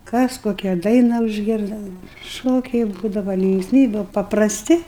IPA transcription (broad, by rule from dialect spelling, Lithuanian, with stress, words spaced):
ˈkɐs ˈkoːkʲɛ ˈdɐɪnɐ ʊʒʲˈɡʲɪrdɐ ˈʃoːkʲɛɪ ˈbuːdɐʋɐ lʲɪŋksʲˈmʲiːbʲʊ pɐprɐsʲˈtʲɪ